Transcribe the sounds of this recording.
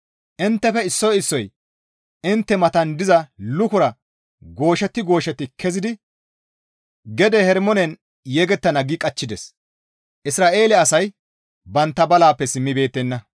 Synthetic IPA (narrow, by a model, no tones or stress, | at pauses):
ʔɪnt̪ːɛfɛɪsːɔjɪsːɔj | ɪnt̪ːɛmɐt̪ɐnd̪ɪzɐlʊkʊɾɐ | ɡo̞ːʃɛt̪ːɪɡo̞ːʃɛt̪ːɪkʰɛzɪd̪ɪ | ɡɛd̪ɛhɛɾmɔnɛn | jɛɡɛt̪ːɐnɐɡɪkʼɐt͡ʃːɪd̪ɛs | ʔɪsɾaːʔe̞ːlɛɐsɐj | bɐnt̪ːɐbɐlaːpːɛsɪmːɪbe̞ːt̪ːɛnːɐ